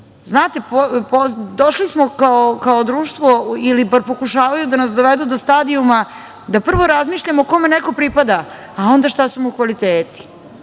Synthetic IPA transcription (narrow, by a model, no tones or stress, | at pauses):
znaːt̪epopod̪oʃlismokaokaod̪ɾuːʃt̪ʋoilibaɾpo̞kuʃaːʋajud̪anasd̪o̞ʋed̪ud̪ost̪ad̪iuma | d̪apr̩ʋo̞ɾazmiːʃʎamoːko̞meneko̞pɾipad̪aː | o̞nd̪aʃt̪asumukʋalit̪eːt̪i̥